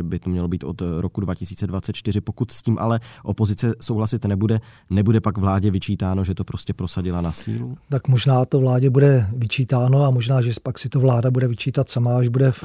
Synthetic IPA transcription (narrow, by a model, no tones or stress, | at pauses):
bɪt̪omɲɛlo̞biːt̪o̞̰t̪ɾokudvacɪsiːt͡sɛdvatt͡sɛt̪̚t͡ʃt̪ɪrɪpokut̪sciːmʔa̰lɛʔo̞po̞zɪt͡sɛsowɦlasɪt̪nɛbudɛ | nɛbudɛpaɡvlaːɟɛvɪt͡ʃiːt̪aːno̞ʒɛt̪o̞pɾo̞scɛpɾo̞saɟɪlanasḭːlut̪akmoʒnaːt̪ovlaːɟɛbudɛvɪt͡ʃiːt̪aːno̞amoʒnaːʒɛpaksɪt̪ovlaːdabudɛvɪt͡ʃiːt̪at̪samaaʒbudɛ